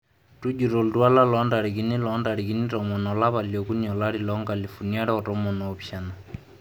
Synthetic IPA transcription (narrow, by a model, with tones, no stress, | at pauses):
tu˦d͡ʒu˨ɾɔ˨ltu˦a˦la˦lɔ˨˦nda˨ɾi˨ki˨ni˦lɔ˦nda˨ɾi˨ki˦ni˦tɔ˨mɔ˨nɔ˨la˦βa˨ljɔ˨ku˦niɔ˨la˦ɾi˨lɔ˦ŋɡa˨li˨fu˨nia˦ɾɛ˦ɔ˨tɔ˦mɔ˨nɔː˨pja˨na˨